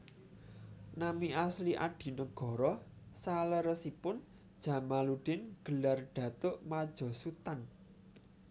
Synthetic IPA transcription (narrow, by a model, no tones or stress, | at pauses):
namiasliʔa̰ɖ̥i̤nəɡ̥ɔ̤ɾɔ | saləɾəsipʊn | d̥ʒ̥ä̤maluɖ̥ɪnɡ̥ə̤larɖ̥ä̤t̪ʊʔmad̥ʒ̥ɔ̤sut̪an